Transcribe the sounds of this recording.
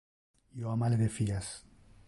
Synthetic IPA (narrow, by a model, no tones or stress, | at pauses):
joamaleðefias